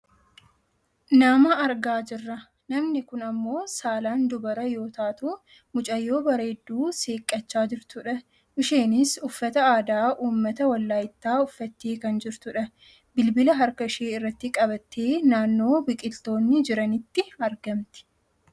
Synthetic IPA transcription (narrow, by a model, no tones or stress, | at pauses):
nɐmɐɐɾɡaːd͡ʒɪrːɐ | nɐmnɪkʊnɐmːo̞ːsaːlaːnd̪ʊbɐɾɐjo̞ːt̪aːt̪uː | mʊt͡ʃʼɐjːo̞ːbɐɾeːd̪ːuːseːkʼːɐt͡ʃːaːd͡ʒɪɾt̪ʊᶑɐ | ʔɪʃeːnɪsʊfːɐt̪ɐaːd̪aːʔuːmːɐt̪ɐwɐlːaːjɪt̪ːaːʊfːɐt̪ːeːkɐnd͡ʒɪɾt̪ʊᶑɐ | bɪlbɪlɐɦɐɾkɐɪʃeːɪrːɐt̪ːɪkʼɐbɐt̪ːeːnaːnːo̞ːbɪkʼɪlt̪o̞ːnːɪd͡ʒɪɾɐnɪt̪ːɪɐɾɡɐmt̪ɪ̥